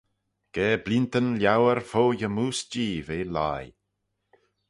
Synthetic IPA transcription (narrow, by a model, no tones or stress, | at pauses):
ɡ̥ɛːblint̪ənljawəɾfoːjəmuːsd͡ʒiːveːla̰j